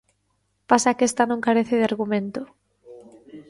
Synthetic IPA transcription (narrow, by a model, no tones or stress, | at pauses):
pasakest̪anõŋkaɾeθɪðɪaɾɣumẽnt̪ʊ